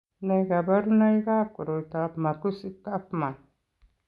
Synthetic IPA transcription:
na˨jɡa˨ba˦ɾu˦na˦jɡa˦p̚ku˨ɾo˨t̪a˨pma˨ku˦si˦t̪a˦pma˨n

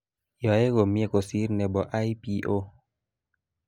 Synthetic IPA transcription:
jɔ˨e˦ko˨mi˧ə˨ko˨si˦ɾnɛ˨bɔ˨ʔa˦jpi˧ʔo˧

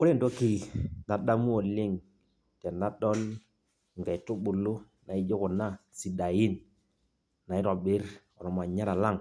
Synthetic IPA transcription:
ʊ˦ɾe˦˨ndo˦ki˦da˨ɗa˦mu˦ɔ˨lɪ˦ŋ | tɛ˨na˦ɗɔ˦l | ŋɡa˨i˨tu˦ɓu˨lu˦ | na˨i˦d͡ʒo˦kɔ˨na˦si˨da˨ji˦n | na˨ɪ˦ɾɔ˨ɓɪ˦ɾɔ˨ɾɔ˨ma˨ɲa˦ɾa˨la˦ŋ

